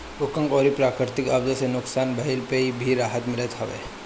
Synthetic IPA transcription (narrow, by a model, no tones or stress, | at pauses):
ʊkə̃ŋkɔːɾipɾaːkɾɪɾɪt̪ɪkɐbzəsenʊksaːnbɐɦɪlpeibʱiɾaːɦət̪mɪlət̪ɦɐʋḛː